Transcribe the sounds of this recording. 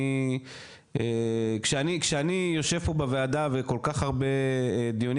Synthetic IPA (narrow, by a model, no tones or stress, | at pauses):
ekʃeanikʃeanijoʃe̞v̥pobeveadaveko̞lkaχaʁbe̞d̪ijon